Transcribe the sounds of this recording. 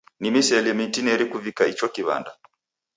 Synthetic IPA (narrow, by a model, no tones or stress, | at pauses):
nimisɛlɛmintinɛɾikuvikait͡ʃɔkiβa̰nda